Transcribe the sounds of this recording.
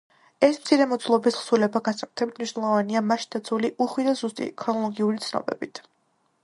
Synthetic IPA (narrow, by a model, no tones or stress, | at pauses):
ɛsmt̪sʰiɾɛmɔd̪zlˠɔbisχsulɛbaɡansakʼu̥t̪ʰɛbit̪ʰmniʃnɛlˠɔvaniamaʃd̪ad̪zuliʔuχwid̪azust̪ʼḭkʰɾɔnɔlˠɔɡiulit̪sʰnɔ̰bɛ̰bit̪ʰ